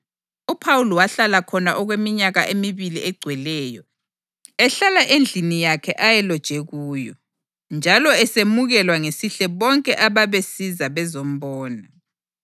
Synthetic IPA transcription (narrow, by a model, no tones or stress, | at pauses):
upʰawulɔwaɬalakʰɔnaʔɔɣwemiɲaɣaʔemiβiliʔɛɡ͡ǀʱwɛlɛːjɔ | ɛɬalaʔend͡ɮʱinijakʰɛʔajɛlɔd̥ʒ̥ʱɛɣuːjɔ̰ | nd͡ʒʱalɔɛsemuɣɛlwaŋesiɬɛβɔŋkʼɛʔaβaβesizaβɛzom̩βɔːna